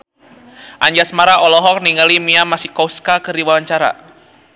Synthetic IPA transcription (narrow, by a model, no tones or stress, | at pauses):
ʔaɲd͡ʒasmaɾaʔɔlɔɦɔk̚niŋalimiamasihkɔuskakɨrdiwawaɲt͡ʃaɾa̰